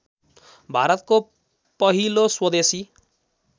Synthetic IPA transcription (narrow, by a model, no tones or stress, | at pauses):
bʱaɾɔt̪ko | pɔɦiloswʌd̪esi